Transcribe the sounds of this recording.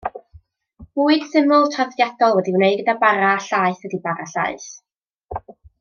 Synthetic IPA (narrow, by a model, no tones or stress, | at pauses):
m̥uɨɡ̥θɪmʊlˠtʰɔðjadɔlˠwɛdiwneɨdɡədabaɾaɬaɨθwədibaɾaɬa̰ɨθ